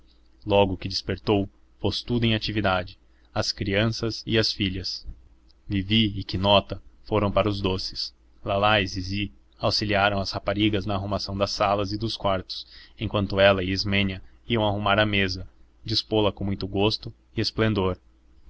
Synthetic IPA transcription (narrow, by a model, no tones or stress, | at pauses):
lɔɡʊkɪd͡ʒɪspeɾt̪ow | post̪ud̪ʊẽj̃at͡ʃivid̪ad͡ʒɪ | ɐskɾiɐ̃sɐzɪɐsfiʎɐs | viviɪkɪnɔt̪ɐfoɾɐ̃w̃paɾɐʊzd̪osɪ̥s | lalajzizɪ | awsiliaɾɐ̃w̃ɐshapaɾiɡɐznɐːɦumasɐ̃w̃d̪ɐsalɐzɪd̪ʊskwaɾt̪ʊ̥sẽkwɐ̃nt̪ʊɛlɐɪːzmẽɲɐiɐ̃w̃aɦumaɾɐmezɐ | d͡ʒispolɐkõmũj̃t̪ʊɡost̪ʊ | ɪesplẽnd̪oɾ